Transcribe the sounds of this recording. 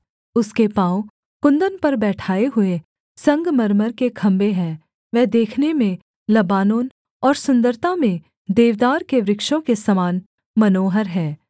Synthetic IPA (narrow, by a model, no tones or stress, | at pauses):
ʊskepãːõ | kʊ̃nd̪ənpɐɾbɛːʈʰaːeɦʊe | sɐ̃ŋɡmɐɾməɾkekʰɐ̃mbeɦɛ̃ː | ʋɛːd̪eːkʰnemẽ | lɐbaːnoːn | ɔːɾsʊ̃nd̪əɾt̪amẽ | d̪eːʋd̪aːɾkeʋɾɪkʃõkesɐmaːn | mɐnoːɦəɾɦɛ̃ː